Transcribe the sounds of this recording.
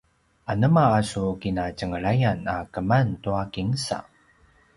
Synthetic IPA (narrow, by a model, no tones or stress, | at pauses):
anəmaːsukinacəŋəɭajanakəmantuakiŋsa̰